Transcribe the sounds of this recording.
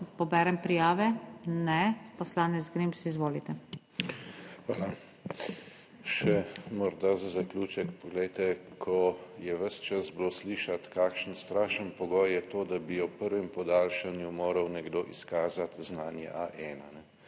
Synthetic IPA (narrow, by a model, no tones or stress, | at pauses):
pɔbɛːɾɛmpɾijaːʋɛnɛpɔslaːnɛzɡɾimsizʋoːlit̪ɛ | xʋa̰ːla | ʃɛmɔɾd̪azazaklʲuːt͡ʃɛkpɔɡlɛjt̪ɛkʰɔjɛʋəst͡ʃazblosliːʃat̪kaːkʃənst̪ɾaːʃənpɔɡɔjːɛt̪oːd̪abijɔpəɾʋɛmpɔd̪aːlʃanjumoːɾɐwnɛɡd̪oːʔiskaːzat̪znaːnjɛ̰ʔaʔɛːnanɛ